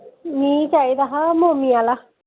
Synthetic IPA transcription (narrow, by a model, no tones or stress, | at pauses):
mĩːt͡ʃaːid̪aɦãmõːmiaːla